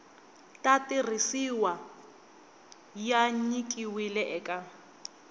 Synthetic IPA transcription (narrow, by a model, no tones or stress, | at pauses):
tʼatʼir̤isiwa | jaɲikʼiwilɛʔɛkʼa